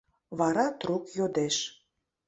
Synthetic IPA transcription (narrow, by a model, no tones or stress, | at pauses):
βɑɾɑt̪rukjod̪eʃ